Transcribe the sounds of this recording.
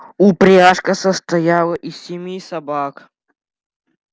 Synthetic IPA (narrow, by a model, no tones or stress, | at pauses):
upɾʲaʂkəsəst̪ɐjalˠəʔisʲɪmʲisɐbak